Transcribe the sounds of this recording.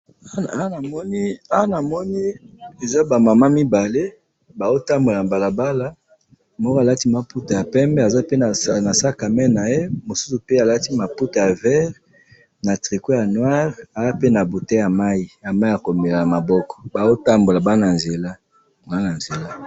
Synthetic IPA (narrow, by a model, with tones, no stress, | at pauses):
a˦na˨mɔ˦ni˦a˦na˨mɔ˦ni˦e˨za˦ba˨ma˨ma˦mi˦ba˨le˦ | ba˨zo˦ta˦mbo˨la˨ba˨la˨ba˦la˦ | mɔ˦ka˨la˦ti˦ma˦pu˦ta˨ja˨pɛ˦mbɛ˦a˨za˦pe˦a˨na˨sa˦ka˨mɛ˦na˨je˦mo˨su˦su˨pe˦a˨la˦ti˦ma˨pu˦ta˨ja˨vɛ˦ʁ | na˨tʁi˨ko˦ja˨nwa˦ʁa˨za˦pe˦na˨bo˨te˦ja˨ma˦i˦ja˨ma˦i˦a˨ko˨me˨la˨na˨ma˨bɔ˦kɔ̥˨ba˨zo˦ta˦mbo˨la˨ba˦na˨nze˨la˦ | a˨a˦na˨nze˨la˦